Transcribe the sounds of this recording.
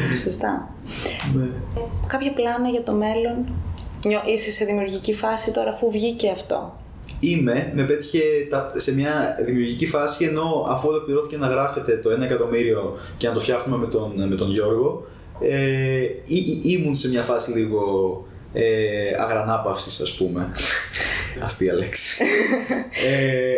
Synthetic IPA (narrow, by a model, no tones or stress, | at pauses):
sost̪ɐ | nekɐpçɐplɐnɐʝɐt̪o̞me̞lo̞nɲoʔisise̞ðimiuɾʝicifɐsit̪o̞ɾɐːfuvʝice̞ɐft̪o̞̰ | ime̞mepe̞t̪i̥çe̞t̪ɐse̞mɲɐðimiuɾʝicifɐsie̞no̞ɐfuelo̞kliɾo̞θice̞nɐɣɾɐfe̞t̪e̞t̪o̞e̞nɐekɐt̪o̞miɾio̞ | ce̞nɐt̪o̞fçɐxume̞met̪onme̞t̪o̞nʝo̞ɾɣo̞ | eiimunse̞mɲɐfɐsiliɣo̞ | eɐ̰ɣɾɐnɐpɐfsisɐ̰spume̞ | ɐ̰st̪iɐleksi̥ | e